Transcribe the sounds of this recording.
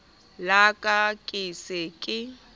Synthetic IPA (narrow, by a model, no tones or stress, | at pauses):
lakʼakʼɪsɪkʼɪ